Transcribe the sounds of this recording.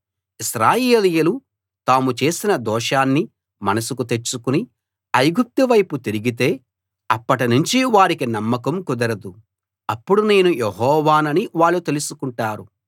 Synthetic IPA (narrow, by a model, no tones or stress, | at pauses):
isɾaːjeːlijɐlu | t̪aːmut͡ʃe̞ːsinɐd̪ɔːʂaːnːi | mɐnɐsukut̪e̞t͡ʃːukuni | ɐjɡup̚t̪iʋɐjput̪iɾiɡit̪e̞ː | ɐpːɐʈinuɲt͡ʃiʋaːɾikinɐmːɐkɐmkud̪ɐɾɐd̪u | ɐpːuɽune̞ːnujeɦɔːʋaːnɐniʋaːɭːut̪e̞lusukuɳʈaːɾu